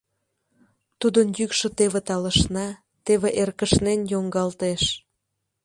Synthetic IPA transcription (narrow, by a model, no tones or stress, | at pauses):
t̪ud̪ənjykʃə̆t̪eβet̪ɑləʃnɑ | t̪eβeʔerkəʃnenjoŋɡɑlt̪eʃ